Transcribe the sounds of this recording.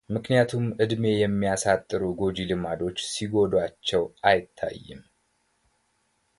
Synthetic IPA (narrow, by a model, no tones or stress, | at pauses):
mɨknijat̪ʰumʔɨd̪me̞jɛmːijasat̪ʼːɨɾuɡo̞d͡ʒilɨmad̪o̞t͡ʃːsiɡo̞d̪wat͡ʃːɛwʔajɪt̪ʰːa̰jːɨ̰m